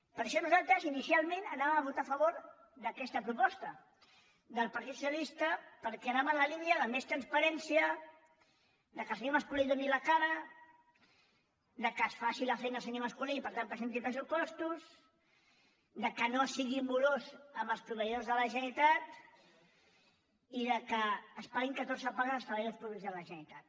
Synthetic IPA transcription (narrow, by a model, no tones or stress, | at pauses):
pəɾʃɔnuzalˠt̪ɾəzinisialˠmenənaβəmaβut̪afəβoɾ | d̪əkɛst̪əpɾupɔst̪ə | d̪əlˠpɐɾt̪it̪sualist̪əpəɾkɛənamələliniəðəmest̪ɾənspəɾɛnsiə | d̪əkəlˠsəɲoməskuliðuniləkaɾə | d̪əkəsfasiləfɛjnəlˠsəɲoməskuliːpəɾt̪ampɾəsent̪̬ipɾəsupɔst̪uz | d̪əkənosiɣimuɾozəmbəlˠspɾuβəjðozðələʒənit̪at̪ | iðəkəːspaɾiŋkət̪oɾzəpaɣəzəsfəβejolspɾuβozðələʒənit̪at̪̚